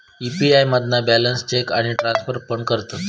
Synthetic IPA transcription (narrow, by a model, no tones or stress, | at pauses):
ipiajməd̪nabælənst͡ɕekaɽ̃iʈɾãnsfəɾpəɳkəɾt̪ə